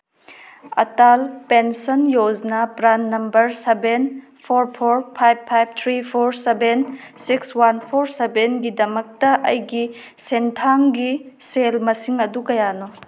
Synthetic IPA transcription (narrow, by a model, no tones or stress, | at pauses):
ɐ̰talpensɔnjoznɐpɾanːɐmbɐɾseben | pʰoɾpʰoɾpʰajb̚pʰajb̚t̪ʰɾipʰoɾseben | sikswanpʰoɾsebenɡidɐmɐk̚tɐʔɐ̰jɡi | sentʰaŋɡiselmɐsiŋɐdukɐjano